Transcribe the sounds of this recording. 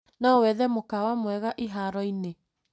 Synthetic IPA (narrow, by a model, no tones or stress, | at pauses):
nɔwɛðɛmokawamwɛɣaʔiɦaɾɔine